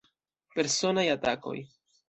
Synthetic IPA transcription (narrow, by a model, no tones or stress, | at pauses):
pe̞ɾso̞najatako̞̰j